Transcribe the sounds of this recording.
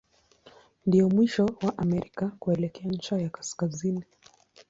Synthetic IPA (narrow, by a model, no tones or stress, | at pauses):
ndijɔmwiʃɔwaʔamɛɾikakuɛlɛkɛaɲ̩t͡ʃajakḁskazini